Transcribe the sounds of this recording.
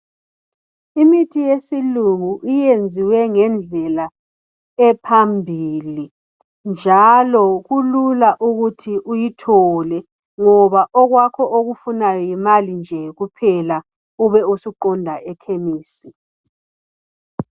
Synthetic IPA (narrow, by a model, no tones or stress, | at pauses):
imitʰijesiluŋuʔijend͡zʱiwɛŋɛnd͡ɮʱɛla | ɛpʰambʱili | nd͡ʒʱalɔɣululaʔuɣutʰiʔujitʰɔlɛ | ŋɔβaʔɔɣwakʰɔʔoɣufunajɔjimalind͡ʒʱɛɣupʰɛla | uβɛusuǃɔndʱaʔɛkʰemiːsi